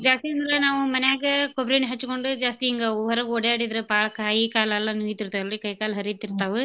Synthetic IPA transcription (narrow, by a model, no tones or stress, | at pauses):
d͡ʒaːst̪iɐnd̪ɾanaːʋɐ̃mɐnjaːɡɐkɔbɾeːnɦɐt͡ʃːɯkːɔɳɖɯd͡ʒaːst̪iɛŋɡɐɔʋɐɾɐʋɯɔɽɐjaːɽɪðɪɾɐpaːɭkaːjikaːlɐlːãːnuːjɪt̪ːɪɾɯt̪ːaːɛlːɐɽikɐjkaːlɐɦɐɾɪt̪ːɪɾɯt̪ːaːʋɯ